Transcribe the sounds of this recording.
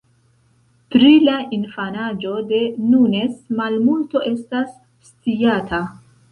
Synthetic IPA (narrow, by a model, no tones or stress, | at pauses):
tɾilaʔinfanad͡ʒo̞de̞nune̞smalmulto̞ʔe̞stasː | tijatʰa